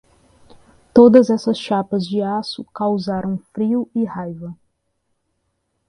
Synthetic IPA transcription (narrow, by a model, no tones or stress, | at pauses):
t̪od̪ɐzɛsɐsʃapɐzd͡ʒɪasʊkawzaɾɐ̃w̃fɾiʊɪhajvɐ